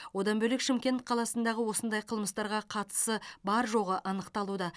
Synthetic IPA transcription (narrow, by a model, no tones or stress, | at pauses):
wo̞d̪ɑnbɵlekʃɪmkʲe̞nt̪qʰɑlˠɑsənd̪ɑʁəwo̞sənd̪ɑjqʰəlˠməst̪ɑɾʁɑqʰɑt̪ə̥səbɑɾʒo̞ʁəʔɑnəqt̪ɑlˠud̪ɑ